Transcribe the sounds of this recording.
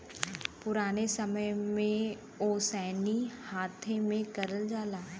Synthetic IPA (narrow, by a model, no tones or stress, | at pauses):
pʊɾaːnesɐməjmẽ | oːsɛːnihaːt̪ʰemẽkɐɾəld͡ʒaːlaː